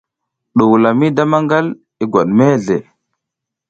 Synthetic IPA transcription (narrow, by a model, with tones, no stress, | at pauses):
ɗu˨wu˨la˨mi˦da˦ma˦ŋɡa˦l | i˦ɡʷa˨ɗme˦ɮe˨